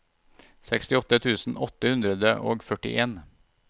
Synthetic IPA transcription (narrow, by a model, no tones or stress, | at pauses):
sɛkst̪ɪɔt̪ːət̪ʰʉːsn̩ɔt̪ːəhʉnd̪ɾəd̪əʔo̰ːɡfœʈɪ̰ʔeːn